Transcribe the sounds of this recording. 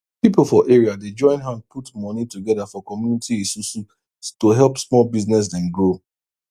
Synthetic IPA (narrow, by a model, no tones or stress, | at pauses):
pipol̩ˠfɔʔeɹiaded͡ʒɔ̃ɪ̃nɦãnpʰutmɔnituɡɛðafɔkɔmjunitiisusu | toɦɛlˠpsmɔlbiznɛs̬dɛ̃nɡɹo